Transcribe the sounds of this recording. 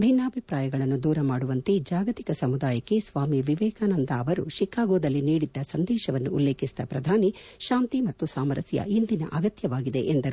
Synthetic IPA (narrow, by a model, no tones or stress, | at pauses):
bʱinːaːbʱipɾaːjɐɡɐɭɐnːud̪uːɾɐmaːɽuʋɐnt̪ed͡ʒaːɡɐt̪i̥kɐsɐmud̪aːjɐkːesʋaːmiʋiʋɛːkaːnɐnd̪ɐɐʋɐɾṵʃikːaːɡoːd̪ɐlːiniːɽid̪ːɐsɐnd̪ɛːʃɐʋɐnːuːlːeːkʰist̪ɐpɾɐd̪ʱaːni | ʃaːnt̪imɐt̪ːusaːmɐɾɐsjɐ̰ind̪inɐ̰ʔɐɡɐt̪jɐʋaːɡid̪e̞̰ʔend̪ɐɾu